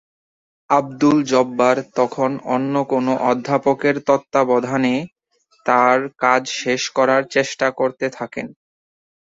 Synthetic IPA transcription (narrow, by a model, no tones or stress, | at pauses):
ab̚d̪uld͡ʑɔbːaɾt̪ɔkʰono̰nːokonoʔɔd̪ʱːapokeɾt̪ɔt̪ːabɔd̪ʱane | t̪aɾkad͡ʑʃeʃkɔɾaɾt͡ɕeʃʈakoɾt̪et̪ʰakḛn